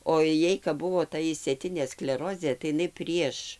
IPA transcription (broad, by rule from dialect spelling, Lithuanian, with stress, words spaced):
oː ˈjɛɪ kɐp ˈbʊʋoː ˈtɐ ɪʃʲsʲeːˈtʲɪnʲeː sklʲɛˈroːzʲeː tɐɪ ɪˈnɐɪ ˈpʲrʲiɛʃ